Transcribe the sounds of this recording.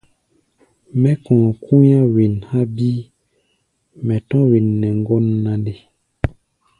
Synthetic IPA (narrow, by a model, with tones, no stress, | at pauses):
mɛ˦kɔ̃˨kʰu˦jã˦wi˨nha˦bi˦ | mɛ˨tɔ̃˦wi˨nːɛ˨ŋ˦ɡɔ˦nːa˨de˦